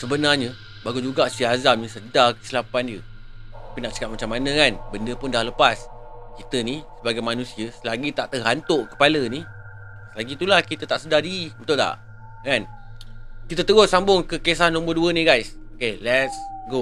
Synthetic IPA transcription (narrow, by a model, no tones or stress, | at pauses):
səbənarɲə | baɡud͡ʒuɡasiɦazamnisədakə̥silapandiət̪apinaʔsə̥kap̚mat͡ʃamːanə̃kanbəndəpʊndahləpas | kit̪ənisəbaɡajmanũsiəsəlaɡit̪aʔt̪əɦant̪ʊʔkə̥paləni | səlaɡit̪ulahkit̪ət̪aʔsədadimənt̪ʊʔd̪a̰ʔ | kan | kit̪ət̪əɡʊsambʊŋkəkesahnɔ̃mbərduənĩɡajsokelɛtsɡo